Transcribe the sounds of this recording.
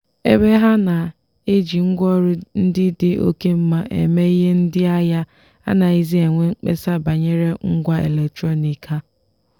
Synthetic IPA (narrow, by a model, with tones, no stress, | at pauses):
e˦be˦ɦa˦na˨ | e˦d͡ʒi˨ŋ̩˦ɡʷɔ˦ɾʊ˦n̩˦dɪ˦dɪ˦o̰˦ke˦m̩˦ma˦ʔḛ˨me˦i˦ɦe˦n̩˦dɪ˦a˦ja˦ | a̰˦na˨i˦zi˦e˨ŋʷe˦ŋ͡m̩˦k͡pḛ˦sa˦˨ba˨ɲe˦ɾe˦ŋ̩˦ɡʷa˦ḛ˨le˨ktɾo˦ni˨ka˦